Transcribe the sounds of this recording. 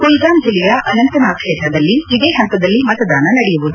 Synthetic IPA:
kojɡ̪aːnd͡ʒilijɐʔɐnɐnt̪ɐnaːkʂɛːt̪ɾɐd̪ɐlːiːd̪eːɦɐnt̪ɐd̪ɐlːimɐt̪ɐd̪aːnɐnɐɽɛjuʋud̪u

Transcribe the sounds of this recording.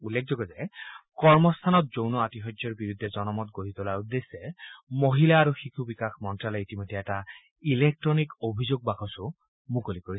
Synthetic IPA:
ulːek̚ʰzɔɡɔzɛkɔɹmɔst̪ʰanɔt̚zownɔatiɦɔd͡ʒjɔɹbiɹud̪ʱːɛzɔnɔmɔt̚ɡoɦit̪ɔlaɹud̪esɛmoɦilaːɹuxikʰubikaxmɔntɹalɔitimɔjdʱːɛɛta | ilek̚tɹɔnikobʱizoɡ̚bakʰɔsʊ | mukolikoɹi

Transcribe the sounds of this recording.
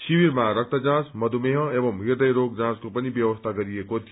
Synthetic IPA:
siwiɾmaɾʌk̚t̪ʌd͡zãt͡smʌd̪ʱumeɦʌ̃ebʌmɦird̪ʌjɾok̚d͡zãt͡skopʌnibjʌwʌst̪ʰaɡʌɾiekot̪ʰi

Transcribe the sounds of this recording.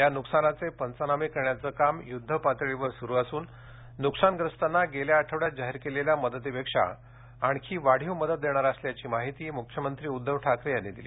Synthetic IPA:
januksanat͡sepənt͡sənamikəɾɳjat͡səːkamjud̪ʱːəpat̪ɭiʋəɾsuɾuːasuːnː | uksanɡɾəst̪anːaɡeljaːʈʰəʋɽjat̪̚d͡ʑaɦiɾkeleljaməd̪ət̪ipekʂa̰ | aɳkʰiːʋaɽ̤iwməd̪ət̪̚d̪eɽ̃aɾəsljat͡ɕiːmaɦit̪iːmukʰjəmənt̪ɾiːud̪ʱːəʋʈʰakɾejanːed̪iliː

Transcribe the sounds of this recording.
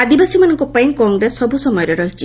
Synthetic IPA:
ad̪ibasimanɔŋkɔpaĩkɔŋɡɾesːɔbusɔmɔjɔɾeɾɔɦit͡ʃʰi

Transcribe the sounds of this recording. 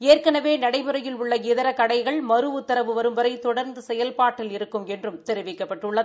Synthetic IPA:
eːrkɐnɐʋeːnɐɽɐɪmɯɾɐjɪlʊɭːɐɡɪðɐɾɐkɐɽɐɪɣɐɭmɐɾɯʊt̪ːɐɾɐʋɯʋɐɾɯmbɐɾɐɪt̪ɔɽɐɾnd̪ɯsɛjɐlpaːʈːɪlɪɾɯkːɯmɛndrɯmt̪ɛɾɯʋɪkːɐpːɐʈːɯɭːɐð

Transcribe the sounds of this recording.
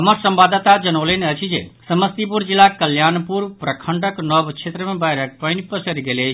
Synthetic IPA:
ɦəməɾsəmbad̪at̪ad͡ʒənoleneət͡ʃʰid͡ʒḛsəməst̪ip̬uɾd͡ʒilːakəljanpuɾpɾəkʰəɳɖəknɔbt͡ʃʰet̪ɾəmẽbajɾək̚pənipəsəɾiɡele

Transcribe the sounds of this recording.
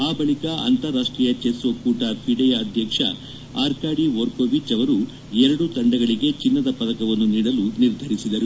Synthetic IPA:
aːbɐɭikaɐ̰nt̪ɐɾːaːʂʈɾijɐt͡ʃeːsʋɐkuːʈapʰiɖɐjaɐd̪ʱjɐkʂɐ̰ | a̰ːɾkaːɽiʋoɾkoʋit͡ʃɐʋɐɾu | ɛɾɐɽut̪ɐɳɖɐɡɐɭiɡe̞t͡ʃinːɐd̪ɐpɐd̪ɐkɐʋɐnːuniːɽɐluniɾd̪ʱɐɾisid̪ɐɾu

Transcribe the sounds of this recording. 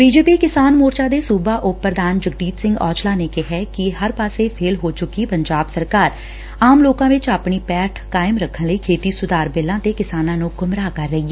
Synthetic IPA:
biːd͡ʒeːpiːkɪsaːnmoːɾt͡ʃaːd̪eːsuːbaːʔʊpːəɾd̪aːnd͡ʒəɡd̪iːpsɪ̃ŋɡɔ̰ːt͡ʃlaːneːkɪɦɛːkɪɦəɾpaːseːpʰeːlɦoːt͡ʃʊkːiːpəɲd͡ʒaːbsəɾkaːɾ | aːmloːkãːʋɪt͡ʃaːpɳiːpɛːʈʰkaːɪmɾəkʰːənləiːkʰeːt̪iːsʊd̪aːɾbeːlãːt̪eːkɪsaːnãːnũːɡʊmɾaːkəɾːəiːɛː

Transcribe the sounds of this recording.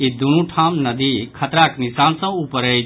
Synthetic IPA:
id̪unũʈʰaːmnɐd̪ikʰɐt̪ɾaːknisaːnsɐ̃upəɾəj

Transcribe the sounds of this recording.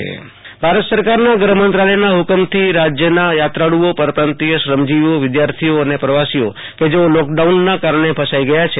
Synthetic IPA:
ḛ | bʱaɾət̪səɾkaɾnaɡɾəɦəmənt̪ɾaləjnaɦukəmt̪ʰiɾad͡ʒjənajat̪ɾaɽuopəɾpɾant̪ijəʃɾəmd͡ʒiʋoʋɪd̪jaɾt̪ʰioənepɾəʋasio̰ | ked͡ʒeolɔkɖaunːakaɾɳ̃epʰəsaiɡəjat͡ʃʰe

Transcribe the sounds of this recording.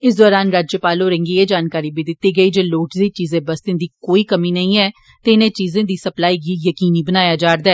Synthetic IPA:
ɪsd̪ɔːɾaːnɾaːd͡ʒjəpaːloːɾə̃ŋɡiːed͡ʒaːnkaːɾiːbiːd̪ɪt̪ːiːɡəiːd͡ʒeːloːʈd̪iːt͡ʃiːzẽːbəst̪ẽd̪iːkoːiːkəmiːnɐĩːɛː | t̪eːɪnẽːt͡ʃiːzẽːd̪iːsəplaːiːkiːjəkiːniːbənaːjaːd͡ʒaːɾd̪aɛː

